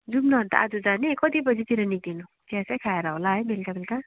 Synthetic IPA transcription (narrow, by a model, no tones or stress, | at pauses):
d͡zubnʌɦʌnt̪a̰ʔad͡zud͡zanekʌt̪ibʌd͡zit̪iɾʌnid̪inut̪ãsajkʰaeɾʌɦolaɦʌjmelkabelka